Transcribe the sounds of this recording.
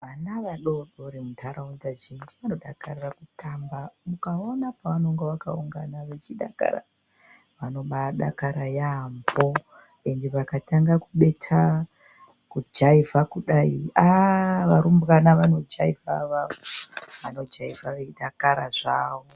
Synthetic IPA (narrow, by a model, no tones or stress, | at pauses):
ʋanaʋaɗo̞ɗoɾemuntʰaɾaunzaʒind͡ʒiʋano̞ɗakarirakutʰambamukao̞napaʋano̞ŋɡeʋakauŋɡanaʋe̞t͡ʃiɗa̰ka̰ɾa̰ | ʋano̞ɓaɗa̰kaɾajambo | e̞ndeʋakataŋɡakuɓe̞tʰa | kud͡ʒaivʱakuɗaiaʋaɾumbɣanaʋano̞d͡ʒaivʱaʋaooʋano̞d͡ʒaivʱaʋeiɗakaɾaʐaːʋo